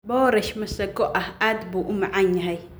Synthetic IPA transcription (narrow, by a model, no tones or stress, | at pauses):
bɔːɾɛʃmɐsɐɡɔʔahad̪buʔʊmaʕaɲːɐɦɐj